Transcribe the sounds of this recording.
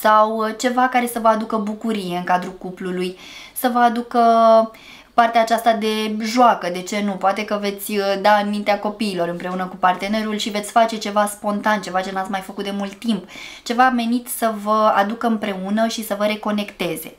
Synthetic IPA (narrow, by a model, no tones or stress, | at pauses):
sawt͡ʃe̞vakaɾe̞səvəad̪ukəbukuɾije̞ɨŋkad̪ɾukupluluj | səvəad̪ukə | part̪eaːt͡ʃast̪ad̪e̞ʒoakəd̪e̞t͡ʃe̞nupoat̪e̞kəve̞t̪sʲd̪aɨmint̪eako̞piːlo̞ɾɨmpɾe̞unəkupart̪e̞ne̞ɾulʃive̞t̪sʲfat͡ʃe̞t͡ʃe̞vaspo̞nt̪ant͡ʃe̞vat͡ʃe̞nat̪sʲmajfəkut̪̚d̪e̞mult̪ːimpt͡ʃe̞vame̞nit̪səvəad̪ukəɨmpɾe̞unəʃisəvəɾe̞ko̞ne̞kt̪e̞ze̞̰